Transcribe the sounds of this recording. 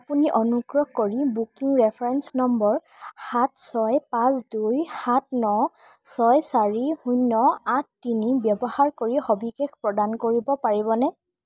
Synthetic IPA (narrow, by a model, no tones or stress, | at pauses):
apuniʔɔnuɡɹɔkoɹibukiŋɹɛpʰɹɛnsnɔmbɔɹ | xatsɔjpãsdujhat̚nɔ | sɔjsaɹihujnːɔatːinibjɔbɔhaɹkoɹixobikɛkʰpɹɔdankoɹibɔpaɹibɔnɛ